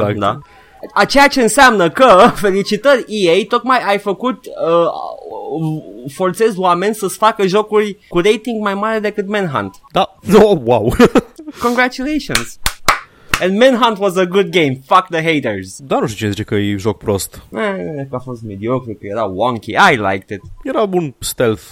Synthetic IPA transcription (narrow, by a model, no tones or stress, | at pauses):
ad̪a̰ | at͡ʃejat͡ʃeɨnsamnəkəfelit͡ʃit̪əɾʲiejt̪ot̪majajfəkut̪ə | foɾt̪sezwamenʲsəsfakəʒokuɾkuɾejt̪ĩŋɡmajmad̪ed̪ekwud̪mɛ̃nɦã̰nt̪d̪anowawkõŋɡɾat͡ʃuleʃõnz̥ | ɛ̃nd̪mɛ̃nɦãnt̪wɔzəɡud̪̚ɡẽjmfak̚d̪əɦejt̪əɹz̥d̪anuʃt̪it͡ʃinezit͡ʃekəjejʒok̚pɾost̪neekafost̪̚med̪iokɾikəjeɾawɔ̃ŋkʲḭajla̰jk̚t̪ɪt̪jeɾabunst̪elf